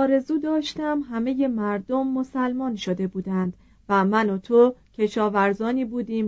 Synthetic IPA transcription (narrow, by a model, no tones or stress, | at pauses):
ɒːɾe̞zuːd̪ɒːʃt̪æmɦæme̞je̞mæɾd̪omːo̞sælmɒːnʃod̪e̞buːd̪ænd̪̥ | væmænot̪ʰocʰe̞ʃɒːvæɾzɒːniːbuːd̪iːm